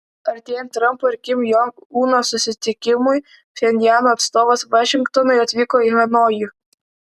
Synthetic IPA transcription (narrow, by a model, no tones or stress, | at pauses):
ɐɾt̪ʲijɛnt̪ɾɐmpɔɪɾkʲɪmjɔŋunɔsʊsʲɪt̪ʲɪkʲɪmʊj | fʲɛnʲd̪ʲjanʊɐt̪st̪ɔʋɐsʋɐʃʲɪŋkt̪ɔnɔjɔt̪ʲʋʲikɔiɦɐnɔjʊ